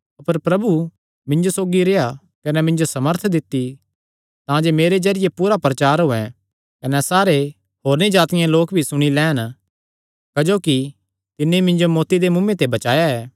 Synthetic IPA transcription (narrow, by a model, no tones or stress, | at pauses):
ɐpəɾpɾɐbu | mɪ̃ɲd͡ʒosoːɡiɾeja | kɐnɛmɪ̃ɲd͡ʒosɐməɾt̪ʰd̪ɪt̪ːi | t̪ãːd͡ʒemeːɾed͡ʒɐɾɪjepuːɾapɾɐt͡ʃaːɾɦʊɛ̃ | kɐnɛsaːɾe | hoːɾnid͡ʒaːt̪ɪjãloːkbʱisʊɽ̃ilɛːn | kɐd͡ʒoːki | t̪ɪnːeimɪ̃ɲd͡ʒomɔːt̪id̪emʊ̃mːẽt̪ebɐt͡ʃaːjaɛː